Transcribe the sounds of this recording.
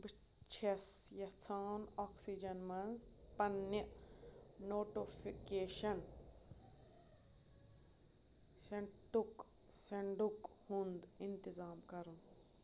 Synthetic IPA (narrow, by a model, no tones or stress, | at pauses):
bi | t͡ʃʰesjɐt͡sʰaːnɔːksid͡ʒɐnmɐnz | pɐnːi | noːʈipʰikeːʃɐn | seɳʈuk | seɳɖuk | hũnd̪int̪izaːmkɐɾũ